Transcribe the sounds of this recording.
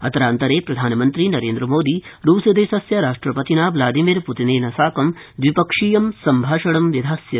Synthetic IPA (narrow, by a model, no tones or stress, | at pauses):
ɐt̪ɐɾaːnt̪ɐɾeːpɾɐd̪ʱaːnɐmɐnt̪ɾinɐɾeːnd̪ɾɐmoːd̪iɾuːsɐd̪eːsɐsjɐɾaːʂʈɾɐpɐt̪inaːʋlaːd̪imiːɾput̪ineːnɐsaːkɐmd̪ʋipɐkʂiːjɐmsɐmbʱaːʃɐɽɐmʋjɐd̪ʱaːsjɐ